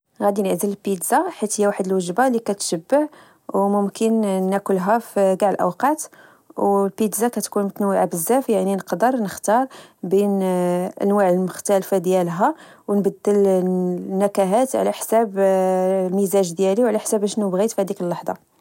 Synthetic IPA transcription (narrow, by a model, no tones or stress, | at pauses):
ɣæd̪inəʕzələlpit̪zaħit̪həjːæwaħəd̪əlwəʒbalikæt̪ʃəbːəʕ | wmʊmkənːækʊlɦæfiɡaʕəlʔə̰wqɑt̪ | wlpit̪zakæt̪kunmt̪nwəʕabəzːæfjaʕninəqd̪əɾˤnəxt̪ɑɾˤbinʔə̰nwaʕəlmʊxt̪ælfad̪jælɦæ | wnbəd̪ːəl | nːækæɦæt̪ʕ̰læħsæb | lmizæʒd̪jæliwʕlæħsæbæʃnubɣit̪fihæd̪ikəlːɑħd̪ˤɑ̰